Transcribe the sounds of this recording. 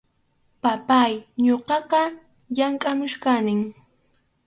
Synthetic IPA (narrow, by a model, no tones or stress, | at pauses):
papajɲoqɑqɑ | jaŋkʼamʊʃkanɪŋ